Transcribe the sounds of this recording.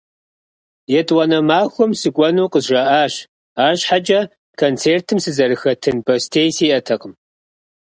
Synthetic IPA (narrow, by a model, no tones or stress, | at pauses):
jɛtʰʼwɐnɐmaːxʷʊmsɨkʷʼɔnuːqəzʒɐʔaːɕ | aːrɕħad͡ʒʼɐ | kʰont͡sʰeːrtʰɨmsɨzɐɾɨxɐtʰɨnbɐstʰeːjsiːʔɐtʰɐqəm